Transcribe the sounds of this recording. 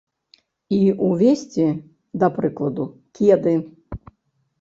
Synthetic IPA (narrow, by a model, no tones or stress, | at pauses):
iuvʲesʲt͡sʲi | d̪ɐpɾɨklˠɐd̪u | kʲid̪ɨ